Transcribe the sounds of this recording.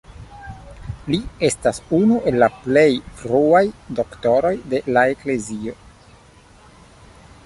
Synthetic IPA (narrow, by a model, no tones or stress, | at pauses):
lie̞stasunuʔe̞lːaple̞jfɾuajdo̞kto̞ɾo̞jde̞lae̞kle̞zio̞